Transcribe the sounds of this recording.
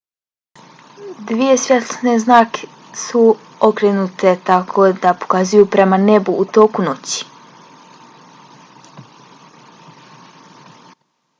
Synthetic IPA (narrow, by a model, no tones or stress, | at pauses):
d̪ʋije̞svʲjet̪lsneznaːkʰe̥ | su | okɾenut̪ʰe̞t̪akʰod̪apo̥kazujupɾe̞manebuːt̪o̞ːkuno̞t͡ɕi̥